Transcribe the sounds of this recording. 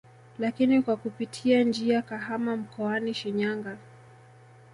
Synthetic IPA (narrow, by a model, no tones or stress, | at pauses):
lakinikwakupitʰiand͡ʒiakaɦamam̩kɔaniʃiɲaŋɡa